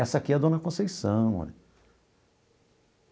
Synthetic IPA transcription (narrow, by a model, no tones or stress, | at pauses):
ɛsakiɐd̪õnɐkõsejsɐ̃w̃ɔ̰l